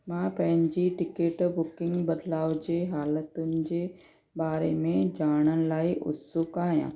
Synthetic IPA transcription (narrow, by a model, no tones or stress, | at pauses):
mãːpɐ̃ɦɪ̃ɲd͡ʑiʈɪkeːʈbʊkɪ̃ŋɡbɐd̪laːʋd͡ʑeːɦaːlət̪ʊnɪ̆d͡ʑeː | baːɾemẽd͡ʑaːɽ̃ənɪ̆laːiʔʊ̰sʊkaːɦijã̰ː